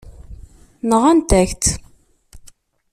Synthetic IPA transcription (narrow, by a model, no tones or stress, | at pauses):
nəʁænt̪æçt̪